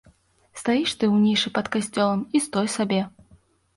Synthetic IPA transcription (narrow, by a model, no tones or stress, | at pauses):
st̪ajiʂt̪ɨwnʲiʂɨpɐt̪kasʲt͡sʲɔlˠɐmist̪ɔjsabʲɛ